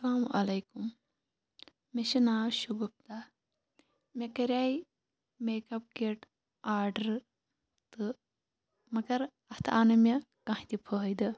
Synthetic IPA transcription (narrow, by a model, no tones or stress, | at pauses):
sɐlaːmʔɐlɐjkum | mʲɐʃɐnaːʃuɡɐp̚t̪a | mʲɐkɐɾʲaːi | meːkɐp̚keʈ | aːɾɖɐɾ | t̪ɨ | mɐɡɐɾ | ɐht̪ʰaːnɐmʲɐ | kɐ̃ɦit̪ʲipʰəːɦjd̪ɨ